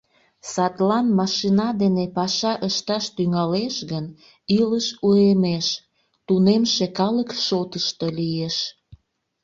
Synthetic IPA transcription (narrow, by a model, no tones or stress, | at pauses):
sɑt̪lɑnmɑʃinɑd̪enepɑʃɑʔəʃt̪ɑʃt̪yŋɑleʃɣən | iləʃuemeʃ | t̪unemʃekɑləkʃot̪əʃt̪olijeʃ